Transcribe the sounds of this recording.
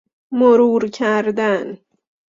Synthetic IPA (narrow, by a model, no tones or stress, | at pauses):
moɾuːɾcʰæɾd̪æn